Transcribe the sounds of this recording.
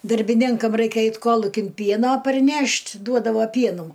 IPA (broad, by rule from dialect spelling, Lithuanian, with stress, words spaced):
dɐrʲbʲɪˈnʲɪŋkɐm ˈrɐɪkʲɛ ˈɐɪt ˈkoːlˠʊkʲɪn ˈpʲiɛnoː pɐrʲˈnʲɛʃʲtʲ ˈduɔdɐʋoː ˈpʲiɛnuː